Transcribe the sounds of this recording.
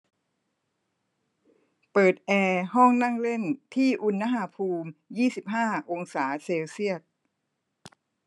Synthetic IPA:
pɤː˨˩t̪̚ʔɛː˧ɦɔ˥˩ŋna˥˩ŋle˥˩nt̪ʰiː˥˩ʔu˧nːa˦˥ɦaː˨˦pʰuː˧mjiː˥˩si˨˩p̚ɦaː˥˩ʔo˧ŋsaː˩˦seː˧wsi˥˩ət̪̚

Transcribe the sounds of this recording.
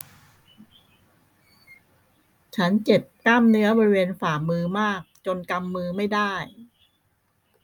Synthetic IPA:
t͡ɕʰa˦˥nt͡ɕe˨˩p̚kaː˥˩mnɯ˦˥ɐbɔː˧ɾi˦weː˧nfaː˨˩mɯː˧maː˥˩k̚t͡ɕo˧nka˧mːɯː˧˥ma˥˩jdaː˥˩j

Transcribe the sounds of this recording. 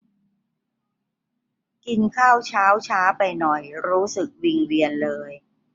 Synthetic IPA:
ki˧nkʰaː˥˩wt͡ɕʰaː˦˥wt͡ɕʰaː˦˥pa˧jnɔ˨˩jɾuː˦˥sɯ˨˩k̚wi˧ŋwi˧ənlɤː˧j

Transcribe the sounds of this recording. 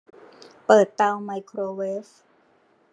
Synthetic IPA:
pɤː˨˩t̪ːa˧wma˧jkʰɾoː˧weː˦˥f

